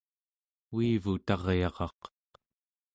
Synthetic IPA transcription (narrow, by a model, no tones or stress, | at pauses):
uivut̪ɑʁjɑʁɑq